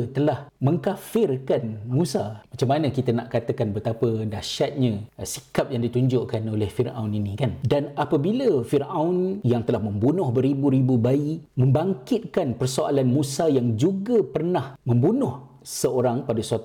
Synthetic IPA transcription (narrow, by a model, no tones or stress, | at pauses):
t̪əlahmə̃ŋkafɪrkanmũsamat͡ʃamːanə̃kit̪anaʔkat̪əkanbət̪apədaʃat̪̚ɲãsi̥kap̚jaŋdit̪uɲd͡ʒʊʔkanolɛhfirawninĩkandanapəbiləfiraʊnjaŋt̪əlahmə̃mbunʊhbəɾibuɾibubaimə̃mbaŋkɪt̪̚kanpərsoa̰lanmũsajaŋd͡ʒuɡapərnahmə̃mbunʊh | səoɾaŋpadasuat̪